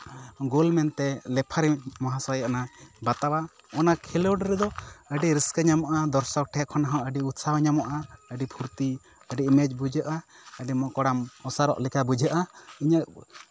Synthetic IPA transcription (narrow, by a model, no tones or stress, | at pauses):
ɡolmɛnt̪ɛlɛpʰaɾimɔɦãsajaʔnabat̪awa | ɔnakʰilɔɖɾɛd̪ɔəɖiɾiskəɲamɔʔad̪ɔɾsɔk̚ʈʰɛʔkʰːɔnaɦɔ̃ʔəɖiut̪sawɲamɔʔaəɖipʰuɾt̪i | əɖiʔmɛd͡ʒbud͡ʒəʔaəɖimɔkɔɽamɔsaɾɔ̰ʔlikabud͡ʒʱəʔaiɲəʔ